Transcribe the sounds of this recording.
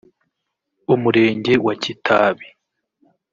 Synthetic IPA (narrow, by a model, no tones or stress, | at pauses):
umuɾe̞ːɲɟe̞wacitʰaːβi